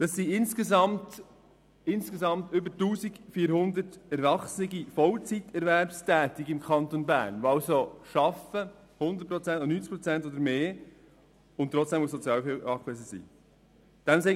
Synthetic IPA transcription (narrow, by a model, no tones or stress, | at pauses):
d̥ɑsːiɪnskezɑmt | ɪnskezɑmt̪ʏbətuːzikfiːɾhʊnd̪ətɛɾvɑχsnɪɡifɔlt͡sitʰɛɾvɛɾpstʰɛːt̪ɪkɪmkʰɑnt̪onbæɾnoɑʊsoʃɑfə | hʊnd̪ət̚pɾot͡sɛntnyːnt͡skpɾoɔt͡sɛntoːd̪əɾmeː | ʊntt̪ːɾɔt͡sd̥ɛmufsɔt͡sjɑːlfɑkɛsəsḭː | d̥ɛmseː